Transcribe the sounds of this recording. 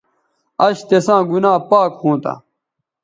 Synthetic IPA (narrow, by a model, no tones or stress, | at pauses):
ɐɕt̪esãːɡunãːpaːkhũːt̪a̰